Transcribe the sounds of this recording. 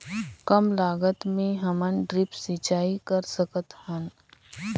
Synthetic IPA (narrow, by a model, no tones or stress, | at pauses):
kəmlaːɡət̪mẽɦɐmənɖɾɪpsɪt͡ʃaːikəɾsəkət̪hən